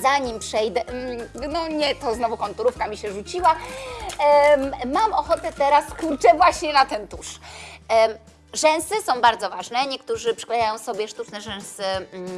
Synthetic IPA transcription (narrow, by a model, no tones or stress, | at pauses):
zaɲimpʂɛjd̪ɛnɔɲɛt̪ɔznɔvukɔnt̪uɾufkamʲiɕɛʐut͡ɕiwa | mamɔxɔt̪ɛt̪ɛɾasklʲut͡ʂɛvwaɕɲɛnat̪ɛnt̪uʂ | ʐɛ̃sɘsɔ̃w̃baɾd̪zɔvaʐnɛɲɛkt̪uʐɘpʂɛ̥klɛjajɔ̃w̃sɔbʲjɛʂt̪ut͡ʂnɛʐɛ̃ñsɘ